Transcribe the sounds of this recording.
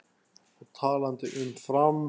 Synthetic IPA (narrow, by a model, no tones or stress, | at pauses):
ɔt̪ʰɑːlant̪ʰəʔʏnfɾam